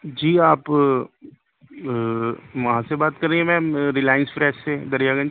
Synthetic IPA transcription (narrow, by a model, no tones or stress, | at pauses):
d͡ʒiːaːp | ʋɐɦãsebaːt̪̚kɐɾːeiɦɛ̃mɛ̃ːɾɪlaːjənsfɾɛːʃsed̪ɐɾijaːɡə̃n